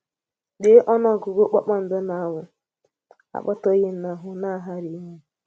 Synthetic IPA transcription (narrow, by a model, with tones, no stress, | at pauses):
de˦ʔɔ˦nɔ˦˨ɡo˨ɡo˦k͡pa̰˦k͡pa˦m̩˨de˦na˨a˦wʊ˨ | a̰˨k͡pɔ˦tɔ˦ɣɪ˦na˨ɦʊ˨na˦˨ɦa˦ɾi˨˦ɲe˦